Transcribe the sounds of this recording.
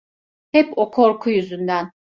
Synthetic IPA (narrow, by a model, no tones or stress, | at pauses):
hɛpokʰo̞ɾkʰujyzynd̪æn